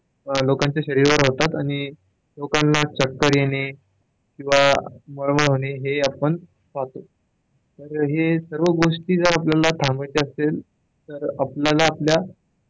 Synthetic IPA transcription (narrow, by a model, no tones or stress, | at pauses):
lokãɲt͡ɕjaɕəɾiɾʋəɾɦot̪at̪aɽ̃i | lokãnlat͡ɕəkːəɾjene | kĩw̃ʋaməɭməɭɦoneɦeapəɳ | t͡sat̪o | t̪əɾɦesəɾʋəɡoʂʈiːd͡zəɾapljalat̪ʰãmbajt͡seəsel | t̪əɾapljalaːplja